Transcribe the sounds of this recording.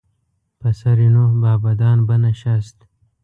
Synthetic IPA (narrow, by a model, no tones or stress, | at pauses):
pɐsɐɾinobɑːbɐd̪ɑːnbənaʃast̪